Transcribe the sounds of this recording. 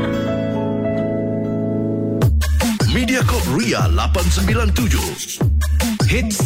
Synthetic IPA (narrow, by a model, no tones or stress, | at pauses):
mĩdiakɔp̚ɾia̰la̰pansəmbilant̪ud͡ʒʊ̰h | hit̪̚